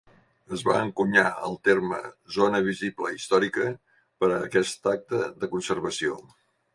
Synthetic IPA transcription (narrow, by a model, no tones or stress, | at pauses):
əzβa̰əŋkuɲaə̰lˠt̪ermə̰zonəβ̞iziblə̰ist̪ɔɾikə | pəɾəːkɛst̪ak̚t̪əðəkunsərβəsio